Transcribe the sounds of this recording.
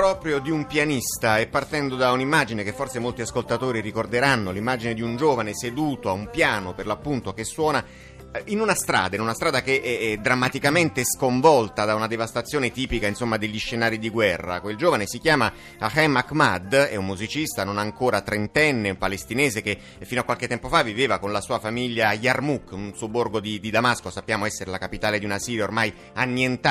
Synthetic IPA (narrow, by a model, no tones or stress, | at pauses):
pɾɔːpɾjod̪iumpjanist̪aɛpːart̪ɛnd̪od̪aunimːaːd͡ʒinekefːorsemolt̪iaskolt̪at̪oːɾirikord̪eɾanːolimːaːd͡ʒined̪iund͡ʒoːvanesed̪uːt̪oaumpjaːnoperlapːunt̪okesːwɔːna | inunast̪ɾa̰ːd̪ainunast̪ɾaːd̪akeʔɛɛd̪ːɾamːat̪ikament̪eɛskoɱvɔlt̪ad̪aunad̪evast̪at̪sːjoːnet̪iːpikainsomːad̪eʎːiʃːenaːɾid̪iɡwɛrːa̰kweld͡ʒoːvanesikjaːma | axɛmakmad̪ɛ̰ummuzit͡ʃist̪anonaŋkoːɾat̪ɾent̪ɛnːeumpalest̪ineːzeke | fːinoakːwalket̪ːɛmpofaviveːvakonlasuːafamiʎːajarmukːunsuoborɡod̪id̪id̪amaskosapːjaːmoɛsːeɾelakapit̪aːled̪iunasiːɾjaormaj | anːjent̪a